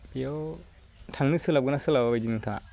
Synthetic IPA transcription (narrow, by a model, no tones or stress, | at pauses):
bijo | tʰaŋnɯsɯlab̚ɡɯnasɯlababajd͡ʒinɯŋtʰa